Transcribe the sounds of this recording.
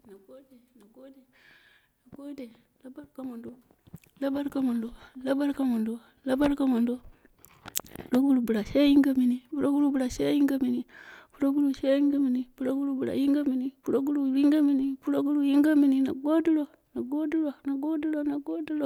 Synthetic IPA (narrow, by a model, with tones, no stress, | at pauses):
na˨ɡo˦de˨na˨ɡo˦de˨ | na˨ɡo˦de˨ | la˦ba˦ɾka˨mo˨ndo˦ | la˦ba˦ɾka˨mo˨ndo˨la˦ba˦ɾka˨mo˨ndo˦ | la˦ba˦ɾka˦mo˨ndo˦ | pu˨ɾo˦ɡu˦ɾu˨bu˨ɾa˨ʃe˦ji˦ŋɡa˦mi˨ni˨pu˦ɾo˦ɡu˦ɾu˦bu˨ɾa˨ʃe˦ji˦ŋɡa˦mi˨ni˨pu˦ɾo˦ɡu˦ɾu˦˨ʃe˦ji˦ŋɡa˦mi˨ni˨pu˦ɾo˦ɡu˦ɾu˦bu˨ɾa̰˨ji˦ŋɡa˦mi˨ni˦pu˦ɾo˦ɡu˦ɾu˦˨ji˦ŋɡa˦mi˦ni˦pu˦ɾo˦ɡu˦ɾu˦ji˦ŋɡa˦mi˨ni˨na̰˨ɡo˦di˦lo˦˨ | na˨ɡo˦du˦lo˨na˨ɡo˦di˦lo˦na˨ɡo˦di˦lo˦˨